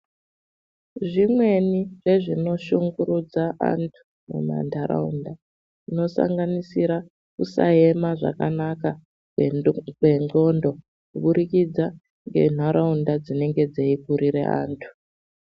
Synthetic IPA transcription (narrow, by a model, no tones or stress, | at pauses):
ʐimwe̞niʐe̞ʐino̞ʃuŋɡuɾud͡zaʔa̰ntʰu̥ | mṵma̰ndʱaɾa̰unda | ino̞sa̰ŋɡanisiɾa | kusa̰e̞maʐa̰kanaka | e̞ŋɡo̞ndo̞ | kuɓuɾikid͡za | ŋɡe̞̰n̤aɾaundad͡zine̞ŋɡe̞d͡zeikuɾiɾḛa̰ːntʰu̥